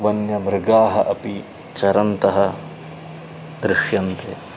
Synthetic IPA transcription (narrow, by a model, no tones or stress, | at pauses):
ʋɐnjɐmɾɪɡaːɦɐʔɐpi | t͡ʃɐɾɐnt̪ɐɦɐ | d̪ɾɪʃjɐnt̪e